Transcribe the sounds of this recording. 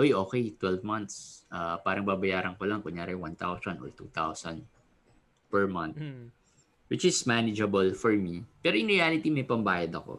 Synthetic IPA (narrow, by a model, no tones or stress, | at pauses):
ʔojʔoːkɛjt̪wɛlvmɐnt̪sʔapaːɾɐŋbaːbɐjaːɾɐŋkolɐŋkʊŋjaːɾɪwant̪a̰wsɐnʔo̰ɹt̪ṵːt̪a̰wsɐ̰nd̪ | pɛɹmɐ̃nt̪ | wɪt͡ʃɪsmanɪd͡ʒɐbɐlfɔɹmipɛːɾoʔɪ̃ŋɹialɪt̪imɐjpɐmbaːjɐd̪ɐko̰